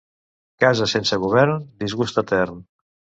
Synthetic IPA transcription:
kazəsensəɣuβ̞ɛɾnd̪izɣust̪ət̪ɛrn

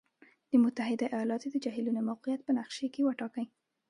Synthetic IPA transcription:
d̪̥əmʊt̪aɦɪd̪aʔijɑlɑt̪od̪əd͡ʒɑɦɪlunomawqɪjat̪̚pənaqʃekewəʈɑkəj

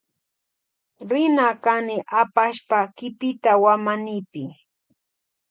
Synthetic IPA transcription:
ɾɪnakanɪʔapaʃpakɪpɪt̪awamanɪpɪ

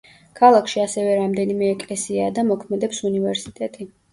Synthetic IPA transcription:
kʰalˠakʰʃiasɛvɛɾamd̪ɛnimɛːkʼlɛsiad̪amɔkʰmɛd̪ɛpsunivɛɾsit̪ʼɛt̪ʼi

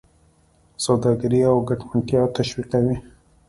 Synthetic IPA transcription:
sawd̪ɑɡaɾiawɡaʈmaɳʈjɑt̪aʃwiqawi

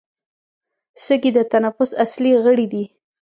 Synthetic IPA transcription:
səɡid̪ət̪anafʊsasliɣəɽid̪i

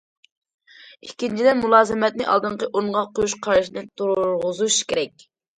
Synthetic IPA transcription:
ikʲʰːint͡ʃʰid̪ɛmulˠɑːzɨmɛt̪̚nɪʔɑ̰lˠd̪ɨɴqəʔoɴʁɑqʰojuʃqʰɑɾʃnɨt̪uɾɾʁʊzuʃkʲeɾɛk̚ʲ

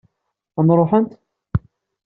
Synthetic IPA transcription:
ænɾˤoħənt̪

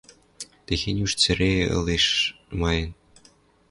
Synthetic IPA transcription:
t̪exenʲyʃt͡sɘ̆ɾeɤ̰leʃ | mɑjɤ̆n

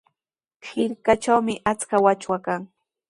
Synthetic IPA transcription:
hɪɾkat͡ʃawmɪʔat͡skawat͡ʃwakaŋ

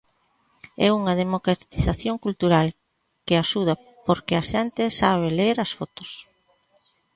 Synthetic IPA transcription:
ɛ̰uŋɐðemokɾat̪i̥θaθjoŋkult̪uɾal | keaʃuð̞ɐ | poɾkɪaʃɛnt̪ɪsaβeleɾɐsfot̪o̥s

